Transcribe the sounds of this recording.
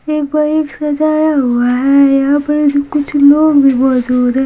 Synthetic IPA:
eːk̚baɾeːksɐd͡ʒaːjaɦuaɦɛjaɐpned͡ʒokʊt͡ʃʰloːɡbʱimɔd͡ʒuːd̪ɦɛ̃

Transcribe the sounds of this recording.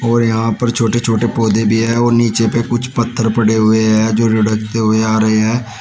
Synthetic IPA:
ɔːɾjɐɦãːpəɾt͡ʃʰoːʈet͡ʃʰoːʈepoːd̪ebʱiːɦɛːɔːɾniːt͡ʃepekʊt͡ʃʰpət̪ʰːəɾpəɽeɦʊeɦɛːd͡ʒoːɾɪɖəktɦʊeaːɾɐɦeɦɛː

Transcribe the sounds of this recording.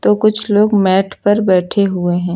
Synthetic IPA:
t̪okʊt͡ʃʰloːɡmɛːʈʰpɐɾbɛːʈʰeɦʊeɦɛ̃ː

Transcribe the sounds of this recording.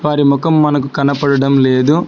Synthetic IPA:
ʋaːɾimɔkɐmːɐnɐkukɐnɐpɐɽɐɽɐmleːd̪u

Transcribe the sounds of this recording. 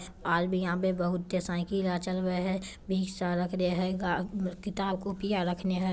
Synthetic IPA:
aːɾbʱijɦãbebəɦʊt̪̚ːesãːɪkilat͡ʃəlɡəeɦɛ̃bʱiːɡsaɾəkʰneɦɛɡakɪt̪aːbkopijaɾəkʰneɦɛ̃

